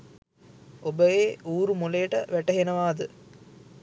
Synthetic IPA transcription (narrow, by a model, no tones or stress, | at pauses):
obəjeːʔuːɾumolejəʈəʋæʈɐɦenəʋaːd̪ə